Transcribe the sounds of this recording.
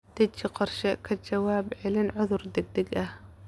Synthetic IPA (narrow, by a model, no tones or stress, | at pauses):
d̪̥ɛt͡ʃɪqɔrʃɛkʰɐt͡ʃɐwaːbʕɛlɪnʕʊðʊrd̪ɛɡ̚d̪ɛɡɐh